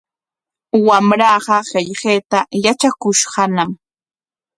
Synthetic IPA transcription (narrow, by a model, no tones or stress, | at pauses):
wamɾɑːɢɑɢeʎɢeːt̪ajat͡ʃakʊʃɢɑnam